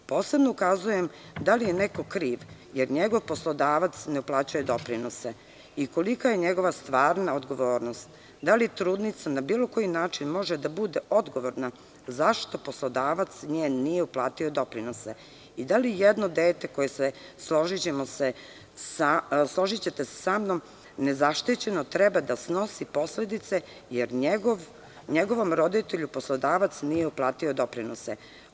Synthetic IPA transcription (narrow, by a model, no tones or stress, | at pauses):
po̞ːse̞bno̞ukazujem | d̪alijeneko̞kɾiːʋ | jeɾɲeɡo̞ʋposlˠo̞d̪aːʋat̪sneuplˠaːt͡ɕujed̪o̞pɾinose | iko̞likaje̞ɲeɡo̞ʋast̪ʋaːɾnaod̪ɡo̞ʋo̞ːɾnost̪ | d̪alit̪ɾuːd̪nit̪sanabiːlo̞ko̞jinaːt͡ʃinmo̞ʒed̪abud̪e̞o̞d̪ɡo̞ʋo̞ɾna | zaʃt̪o̞po̞slˠo̞d̪aːʋat̪sɲeːnːijeuplˠaːt̪iod̪o̞pɾinose | id̪alijed̪no̞d̪eːt̪e̞ko̞jese | sloʒit͡ɕe̞mo̞se | saslˠo̞ʒit͡ɕe̞t̪ese̥samnom | ne̞zaʃt̪it͡ɕe̞no̞t̪ɾɛbad̪asno̞sipo̞sle̞d̪it̪se̞ | jeɾɲeɡoʋ | ɲeɡo̞ʋo̞mɾo̞d̪it̪e̞ʎupo̞slˠo̞d̪aːʋat̪snije̞uplˠaːt̪io̞d̪o̞pɾinose